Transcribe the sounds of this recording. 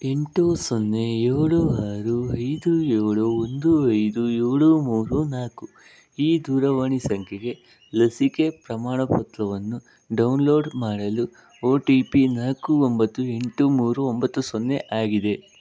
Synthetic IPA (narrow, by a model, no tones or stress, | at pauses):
e̞ɳʈusonːe̞eɾɭuaːɾuɐjd̪ueːɭuond̪uɐjd̪ueːɭumuːɾunaːku | iːd̪uːɾɐʋaːɳisɐŋkʰeɡe̞ | lɐsike̞pɾɐmaːɳɐpɐt̪lɐʋɐnːu | ɖɐwnlo̞ːɖmaːɽɐlu | oːʈiːpinaːkuombɐt̪ːue̞ɳʈumuːɾuombɐt̪ːusonːe̞ʔaːɡid̪e̞